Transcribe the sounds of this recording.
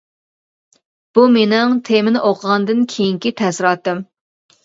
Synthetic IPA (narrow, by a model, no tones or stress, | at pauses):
b̥umenɪŋt̪ʰemɪnɪʔoqʰəʁɑnd̪ɨnkʲʰejiŋkʲit̪ʰɛsɾɑt̪ːɨm